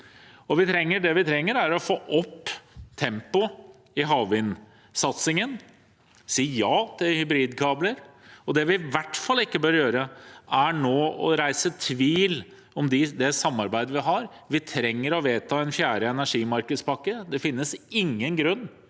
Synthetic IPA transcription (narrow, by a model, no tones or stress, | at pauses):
ɔʋɪt̪ʰɾɛŋːəɖɛʋɪt̪ʰɾɛŋːəɾæɾɔfoːʔɔpːt̪ʰɛmpʊ | ɪɦɑːʋɪn | sɑt̪sɪŋən | siːjɑːt̪ʰɪlhʏbɾiːd̪kʰɑːbləɾɔd̪ɛʋɪʋæʈfɑlːɪkːəbøːɾjøːɾəæɳoːɔ̰ɾæɪsət̪ʰʋiːl | ɔmd̪ɪd̪ɛsɑmːɑɾbæɪd̪əʋɪɦɑɾ | ʋɪt̪ʰɾɛŋːəɾɔʋeːt̪ʰɑːɛnfjæːɾəɛnæʂiːmɑɾkəspɑkːəd̪ɛfɪnːəsɪŋːənɡɾʉnː